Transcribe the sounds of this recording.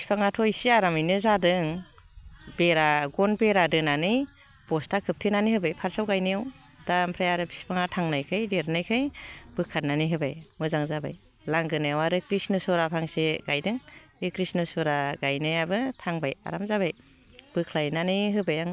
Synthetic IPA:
bispʰaŋatʰɔjsiaɾamɯjnɯzadɯŋ | beɾaɡɔnbeɾadɯnanɯj | b̥ɔstakʰɯp̚tʰɯnanihɯbajpʰaɾsawɡajnɯjaw | dampʰɾajaɾɯpʰispʰaŋatʰaŋnajkʰɯjdeɾnajkʰɯjb̥ɯkʰːat̚naniɦɯbajmɯzaŋzaba̰j | laŋɡɯnɯjawaɾɯkɾisnɯsɔɾapʰaŋseɡ̥ajdɯŋ | ɯkɾisnɯsɔɾaɡajnɯjabɯtʰaŋbaja̰ɾamzabaj | b̥ɯkʰlajnanɯjɦɯbajaŋ

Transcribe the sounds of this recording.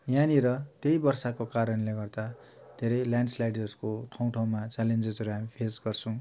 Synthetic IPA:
janiɾʌt̪jejbʌrsakokaɾʌnleɡʌrd̪a | d̪ʱeɾʌjljaɳɖslajɖʌskoʈʰʌw̃ʈʰʌw̃mat͡salend͡zed͡zʌɾuɦamipʰesɡʌrt͡sʰʌ̃w̃

